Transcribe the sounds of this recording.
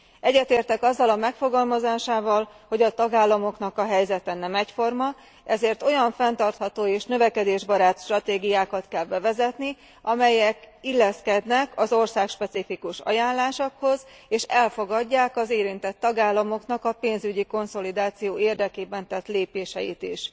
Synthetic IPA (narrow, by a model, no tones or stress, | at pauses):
ɛɟːɛt̪eːrt̪ɛkɒzːɒlɒmɛkfo̞ɡɒlmɒzaːʃaːvɒlho̞ɟɒt̪ɒɡaːlːɒmo̞knɒkɒɦɛjzɛt̪ɛnɛmɛcfo̞rmɒ | ʔɛzeːrt̪o̞jɒɱfɛnt̪ɒrt̪hɒt̪oːeːʃnø̞vɛkɛd̪eːʒbɒɾaːt̪ʃt̪rɒt̪eːɡijaːkɒt̪kɛlbɛvɛzɛt̪ni | ɒmɛjɛk | ilːɛskɛd̪nɛkɒzo̞rsaːkʃpɛt̪sifikuʃɒ̰jaːnlaːʃokho̞z | eːʃɛlfo̞ɡɒɟːaːkɒzeːɾint̪ɛt̪ːɒɡaːlːɒmo̞knɒkɒpeːnzyɟiko̞nso̞lid̪aːt̪sijoːeːrd̪ɛkeːbɛnt̪ɛt̪leːpeːʃɛjḭt̪iʃ